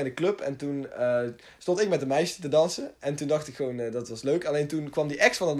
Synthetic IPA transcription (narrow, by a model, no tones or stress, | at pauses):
ɛndəklɵpɛ̰ntunə | stɔ̃ntɪk̚mɛt̚dəmɛjʃətədɑnsənɛntundɑxtɪkχʋownədɑtʋɑsløɥkɑlejntunkʋɑmdiʔɛksfɑndɑt